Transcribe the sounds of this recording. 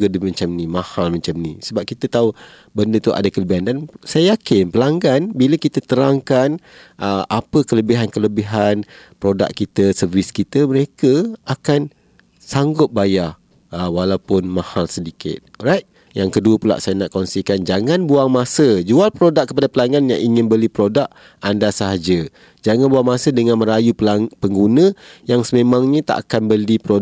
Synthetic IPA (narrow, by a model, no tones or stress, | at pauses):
ɡadəmə̃ɲt͡ʃamnĩmãhalmə̃ɲt͡ʃamnḭsəbap̚kit̪ət̪au | bəndət̪uʔa̰dakələbiɦandansajajakɪnpəlaŋɡanbiləkit̪ət̪əɾaŋkanʔəʔapəkələbiɦankələbiɦanpɾoda̰kkːit̪əsərviskit̪əməɾekəakan | saŋɡʊp̪̚baja | əwalawpʊnmãhalsədikɪ̰t̪̚rajt̪̚ | jaŋkəduəpula̰ʔsajanaʔkɔnsikand͡ʒaŋãnbuaŋmasəd͡ʒualpɾodakkːə̥padapəlaŋanjaŋiŋɪ̃nbəlipɾodaʔ | andasaɦad͡ʒə | d͡ʒaŋanbuaŋmasədəŋanmə̃ɾajuplapəŋɡunə̃jaŋsəmemãŋɲə̃t̪a̰ʔakanbəlipɾo